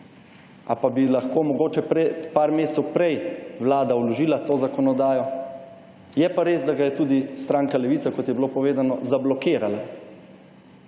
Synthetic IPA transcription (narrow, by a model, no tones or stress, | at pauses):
a̰pabilaxkoːmɔɡoːt͡ʃɛpɾɛpaɾmeːst̪sɛwpɾɛjʋlaːd̪aulɔʒiːlat̪oːzakɔnɔd̪aːjɔ | jɛpaɾeːzd̪aɡajɛt̪uːd̪ist̪ɾaːŋkalɛʋiːsakɔt̪jɛbilopɔʋeːd̪anɔzablɔkeːɾala